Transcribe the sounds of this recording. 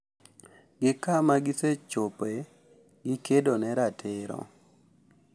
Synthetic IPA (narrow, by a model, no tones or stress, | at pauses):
ɡɪkamaɡɪset͡ʃope | ɡɪkʰedonɛɾatʰɪɾɔ̰